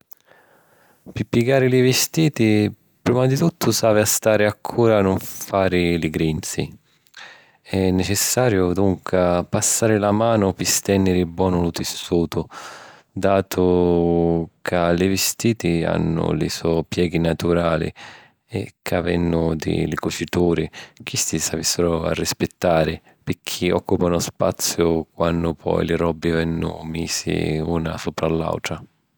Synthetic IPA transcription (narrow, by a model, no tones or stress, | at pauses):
pɪpːiɡaːɾɪlivɪst̪iːt̪i | pɾiːmad̪it̪ut̪ʰːʊsaːvɪast̪aːɾɪakʰːuːɾaːnʊɱfaːɾɪlɪɡɾint̪sḭ | ɛnːɛt͡ʃɛsːaːɾjʊd̪uŋkapasːaːɾɪlamaːnʊpɪst̪ɛnːɪɾɪbwɔːnʊlʊt̪ɪsːuːt̪ʊ | d̪aːt̪ʰʊ | kʰalɪvɪst̪iːt̪ia̰nːʊ̰lɪ̰sɔpjɛːɡinat̪uɾaːlḭ | ɛ̰kʰːavɛnːʊd̪ɪ̰lɪkʊt͡ʃit̪uːɾik̟ist̪isavisːɪɾʊa̰rːispɪt̪ːaːɾɪ | pɪkʰiɔkːupanʊspat̪sːjʊkwanːʊpʰɔ̰jlɪrɔbːɪvɛnːʊ̰miːsḭuːna̰sɔpɾalːa̰wt̪ɾa